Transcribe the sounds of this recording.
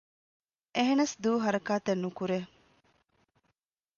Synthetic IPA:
ʔeɦenɐsd̪uːɦɐɾɐkaːt̪enːukuɾe

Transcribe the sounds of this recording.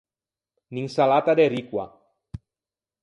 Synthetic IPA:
niŋsalat̪ad̪eɾikwa̰

